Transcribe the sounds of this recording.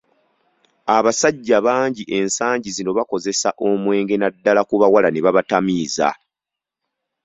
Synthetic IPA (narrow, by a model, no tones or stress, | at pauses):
aβasaɟːaβaːɲɟiʔe̞nsaːɲɟizino̞βako̞ze̞saʔo̞mwe̞ːŋɡe̞nadːalakuβawalaneβaβatamiːza̰